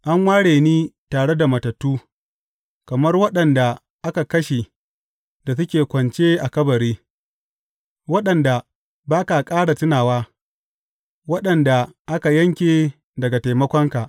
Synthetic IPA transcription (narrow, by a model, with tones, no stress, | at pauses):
ʔa˦ŋwaː˦ɽeː˨niː˦taː˨ɽe˦da˨mɐ˨tɐ˨tːuː˦ | kɐ˨mɐ˦rwɐ˦ɗɐ˨nda˨ | ʔa˦ka˨kɐ˦ʃe˨ | da˨s̬ʊ˦kʲeː˨kʷɐ˨nt͡ʃeː˦ʔa˨kɐ˦bɐ˨ɽeː˦ | wɐ˦ɗɐ˨nda˨ | baː˦ka˨kʼaː˦ɽa˨tɪ˦naː˨waː˦ | wɐ˦ɗɐ˨nda˨ʔa˦ka˨jɐ˦ŋkʲe˨ | dɐ˨ɡa˨ta˨jmɐ˦kʷɔ˦ŋka˨ʔ